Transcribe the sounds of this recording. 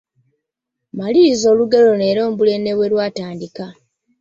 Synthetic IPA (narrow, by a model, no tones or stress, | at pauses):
maliːzo̞ːluɡelo̞ne̞ːɾo̞ːmbule̞ne̞βwe̞lwaːtaːndika